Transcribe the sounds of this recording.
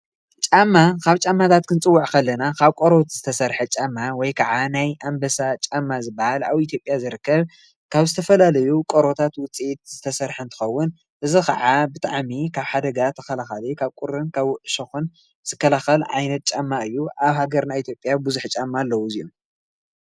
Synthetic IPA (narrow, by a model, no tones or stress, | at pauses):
t͡ʃʼamːakʰaβt͡ʃʼamːat̪ʰat̪̚kʰɨnt͡sʼɨwːuʕkʰɐlːɐnakʰaβkʼoɾot̪z̥ɨt̪ʰɐsɐɾħɐt͡ʃʼamːawɔjkʰaʕanajʔambɐsat͡ʃʼamːazɨbːahala̰βit̪ʰjo̞pʼjazɨɾɨkːɐβ | kʰaβzɨt̪ʰɐfɐlalɐjukʼoɾo̞t̪ʰat̪wʊt͡sʼit̪̚z̥ɨt̪ʰɐsɐɾħɨnt̪ʰɨ̥xɐwːʊn | ʔɨzɨxɐʕabɨt̪ʼaʕmikʰaβħad̪ɐɡat̪ʰɐ̥kɐlaxalikʰaβkʼʊɾɨnkʰaβʔɨʃɐxun | z̥ɨkːɐlaxɐlʕa̰jnɐt̪̚t͡ʃʼamːaɨjːuʔaβhaɡɐɾnait̪ʰjo̞pʼjabuzuħt͡ʃʼamːalːɐwuziju